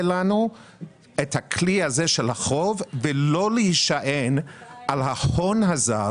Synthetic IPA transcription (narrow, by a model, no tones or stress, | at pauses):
lanu | ethakʰlihazeʃelhaχo̞vːelo̞lejiʃaʔenʔalɦahonɦaza